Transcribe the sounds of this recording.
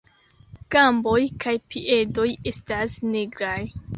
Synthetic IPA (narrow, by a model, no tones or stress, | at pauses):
kambo̞jkʰajpiʔe̞do̞je̞stasniɡɾaj